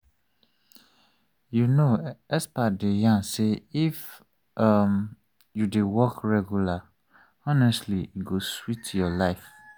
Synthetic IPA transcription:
junoɛspadejãnseif | ʔam | judewɔkɹɛɡjula | ɔnɛstliiɡoswitjɔlaɪf

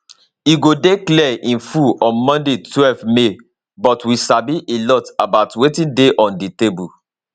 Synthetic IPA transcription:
iɡodeklɛʔĩnfuɔ̃mɔ̃ndetwɛlvme | bɔtwisabiʔelɔtabaʊtwetĩndeʔɔ̃nditebu

